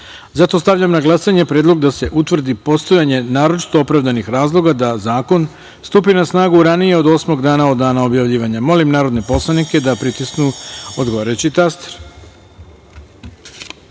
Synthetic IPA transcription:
zat̪o̞st̪aʋʎamnaɡlˠasaɲe̞pɾe̞ːd̪lˠo̞ɡd̪ase̞ʔut̪ʋr̩d̪ipo̞st̪o̞jaɲe̞naːɾo̞t͡ʃi̥t̪o̞opɾaʋd̪anixɾaːzlˠo̞ɡad̪azaːko̞n | st̪uːpinasnaːɡuɾanijeo̞d̪o̞ːsmo̞ɡd̪aːnaod̪ːaːnao̞bjaʋʎiːʋaɲamo̞limnaːɾo̞d̪ne̞po̞slˠanike̞d̪apɾit̪isknuo̞d̪ɡo̞ʋaːɾajut͡ɕit̪ast̪e̥ɾ

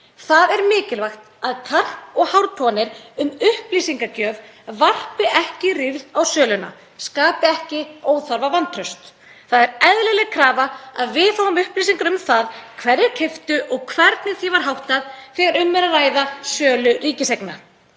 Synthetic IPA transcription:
θaðɛɾmɪːcɪlvajxt̪ | aðkʰar̥pɔɣhawɾt̪pʰɔnɪɾʏmʏhpliːsiŋkacœːvvar̥pɪʔɛhcɪrɪvðawsœːlʏna̰ | skaːpɪɛhcɪoːwθaɾvavant̪ʰɾœɥst̪ | θaðɛɾɛðlɪlɛɣkʰɾaːvaaðvɪðθawʏmʏhpliːsiŋkaɾʏmθaðkʰvɛɾɪɾcʰɛft̪ʏʔɔɣkʰvɛɾt̪nɪθjɛvaɾ̥ɦawht̪aðθɛːɣaɾʏmːɛɾaraːjðasœːlʏriːcɪsejkna

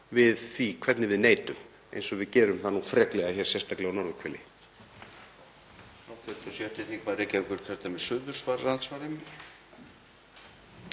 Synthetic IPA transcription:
vɪðθvikʰvɛt̪nɪvɪðneːjt̪ʏm | ḛjnsɔvɪðcɛːɾʏmθanuːfɾɛːklɛɣaçjɛɾ̥sɛ̥st̪aklɛɣanɔɾvʏkʰvɛlɪ | aːwt̪ʰɛɾt̪ʏsjœht̪ɪθiŋkʰvaːðɾɛcɛvkʏɾk̪ʰœɾt̪amɛðsʏːðʏɾ̥svaɾɾaðsvaɾɪm

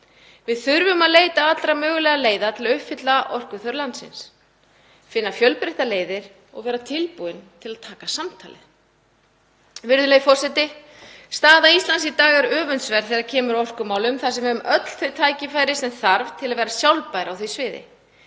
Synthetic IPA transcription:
vɪðθʏɾvʏmaðleːjt̪aat̪lɾamœːɣʏlɛɣaleːjðat̪ʰɪlaʏhpfɪt̪laʔɔr̥kʏθœɾlant̪sɪ̰ns | fɪnːafjœlpɾejht̪aleːjðɪɾ̥ | ɔɣvɛːɾat̪ʰɪlpuɪnt̪ʰɪlaðt̪ʰaːkasamt̪ʰa̰ːlɪ̰ | vɪɾðʏleːjfɔr̥sɛt̪ɪ | st̪aːðaist̪lansit̪aːɣaɾœːvʏnt̪svɛɾθɛːɣaɾcʰɛːmʏɾaɔr̥kʏmaːwlʏmθasɛmɛðʏmʔœt̪l̥θœɥt̪ʰaːjcɪfaːjɾɪsɛmθaɾv̥t̪ʰɪlaðvɛːɾasjawlpajɾawθesvɪːðɪ̰

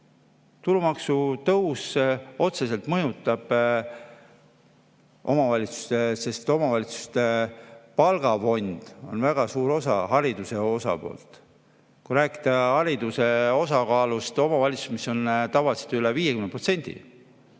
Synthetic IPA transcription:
t̪ulumɑksut̪ɤwso̞t̪se̞se̞lt̪mɤjut̪ːˑɑb̥ | o̞̰mɑvɑlʲit̪su̥st̪ese̞st̪o̞mɑvɑlʲit̪su̥st̪epɑlɡ̥ɑfo̞nʲd̪̥o̞̰nvæɡ̥ɑsuːɾo̞sɑ̰ɦɑɾid̪̥use̞o̞sɑ̰po̞̰ːlt̪ˑ | kujɾæːki̥d̪̥ɑhɑɾid̪use̞o̞sɑkɑːlust̪o̞mɑvɑlʲit̪su̥smiso̞nt̪ɑvɑlise̥t̪yleviːjekymnepro̞t̪senʲd̪̥ḭ

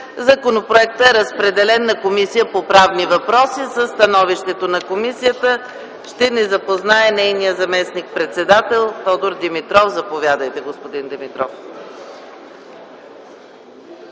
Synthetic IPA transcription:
zɐkonopɾoɛkt̪əɛɾəspɾɛd̪ɛlɛnːɐkomisijəpopɾavnivɐpɾɔsisəsːt̪ɐnɔviʃt̪ɛt̪onɐkomisijət̪ə | ʃt̪ɛnɛzɐpoznaɛnɛjnijəzɐmɛsnik̚pɾɛt̪sɛd̪at̪ɛlˠt̪ɔd̪oɾd̪ɛmit̪ɾɔfzɐpovʲjad̪əjt̪ɛɡospod̪ind̪ɛmit̪ɾɔf

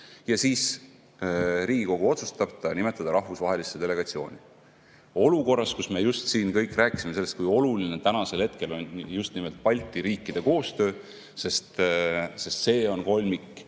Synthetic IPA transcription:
jɑsiːs | ɾiːɡ̥iko̞ɡ̥uo̞t̪su̥st̪ɑb̥t̪ɑnime̞t̪ːˑɑd̪ɑɾɑhvusvɑɦe̞lisːed̪e̞le̞ɡ̥ɑt̪sio̞ːnʲi | o̞luko̞rːɑskusme̞just̪siːnkɤjkːˑræːkˑi̥simese̞lːest̪kujo̞lulinet̪ænɑse̞lhe̞t̪̚ke̞lo̞njust̪nime̞lt̪̚pɑlʲt̪ːˑiɾiːkːˑid̪̥e̞ko̞ːst̪ø̞ː | se̞st̪se̞st̪se̞ːo̞nko̞lʲmikːˑ

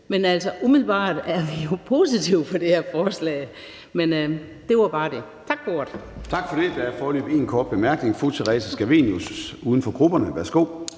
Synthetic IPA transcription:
menæl̰sɐʔumiðˠlb̥ɑ̰̈ːd̥æɐʋijo̝pʰo̝sit͡sʰiʊpɒ̽d̥e̝heɐfɒːslɛ̰ːɪ | men | d̥e̝ʋɑb̥ɑ̈ːd̥e̝ | t͡sʰɑ̈ɡ̥̚b̥oɐd̥t͡sʰɑ̈ɡ̥fɒɾ̥e̝d̥ææɐfɒːlø̰ːb̥e̝̰ːnkʰɒːd̥̚b̥e̝mæɐɡ̥ne̝ŋfut͡sʰeʁɛːsæsɡ̥æʋe̝̰njusuːð̞ˠən̩fɒ̽ɡ̥ʁub̥ɐnəʋæɐsɡ̥o̝̰ː

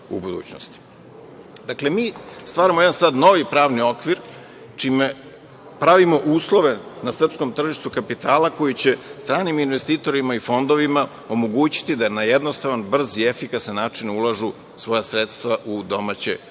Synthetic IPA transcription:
ṵbud̪ṵːt͡ɕno̰st̪i̥ | d̪akle̞miːst̪ʋaːɾamojed̪ansaːd̪no̞ʋipɾaːʋnio̞kʋiɾ | t͡ʃime | pɾaʋimo̞ʔuːslˠo̞ʋe̞nasr̩psko̞mt̪r̩ʒiʃt̪ukapit̪aːlako̞jit͡ɕe̞st̪ɾaːniminʋe̞st̪iːt̪o̞ɾimaifo̞nd̪o̞ʋima | o̞mo̞ɡuːt͡ɕi̥t̪id̪anajed̪no̞st̪aʋanbr̩ziefikasnenaːt͡ʂinulˠaʒu | sʋo̞jasɾeːt̪st̪vaʔud̪o̞maːt͡ɕḛ

